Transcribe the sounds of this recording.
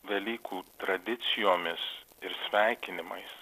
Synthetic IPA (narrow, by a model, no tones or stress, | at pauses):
ʋʲɛlʲiːkʰuːt̪ɾɐd̪ʲɪt̪sʲɪjoːmʲɪs | ɪɾsʲʋʲæˑɪkʲɪnʲɪmɐɪs